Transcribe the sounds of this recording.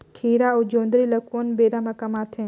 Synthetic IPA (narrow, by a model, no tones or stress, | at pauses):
kʰiːɾaod͡ʒõːnd̪ɾilɐkuənbeːɾamãkɐmat̪ʰẽ